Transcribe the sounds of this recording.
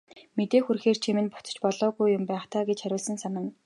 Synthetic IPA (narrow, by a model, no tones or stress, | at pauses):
met̪eːxurxeːr̥t͡ɕʰimɘ̆npʊt͡s̪ə̥̆t͡ɕpɔɮɔːɣujːʊmpæːχt̪ʰaːɡet͡ɕχæɾʲʊːɮsə̆nsanə̆ŋ